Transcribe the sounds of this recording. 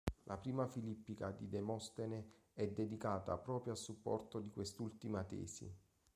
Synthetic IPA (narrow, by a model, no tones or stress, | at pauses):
lʔapɾiːmafilipːikad̪id̪emɔst̪ene | ɛd̪ːed̪ikaːt̪a̰pɾɔːpɾjoasupːɔ̰rt̪od̪ikwest̪ult̪imat̪ɛ̰ːsḭ